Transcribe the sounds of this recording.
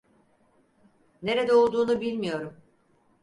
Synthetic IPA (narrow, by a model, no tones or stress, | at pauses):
ne̞ɾe̞d̪ɛolˠd̪uːnubilʲmijo̞ɾum